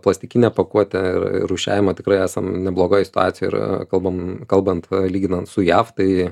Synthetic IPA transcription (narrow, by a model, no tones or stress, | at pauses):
plˠɐsʲt̪ʲɪkʲɪnʲɛpɐkuɔt̪ʲɛɪ̰r̰uːʃʲæ̰ːʋʲɪmɐːt̪ʲɪkɾɐɪæːsɐmnʲɛblˠoːɡoːjsʲɪ̥t̪ʊɑːt̪sʲjoːɪ̰kɐlˠbɐmkɐlˠbɐnt̪lʲiːɡʲɪnɐnt̪sʊjæːft̪ɐɪ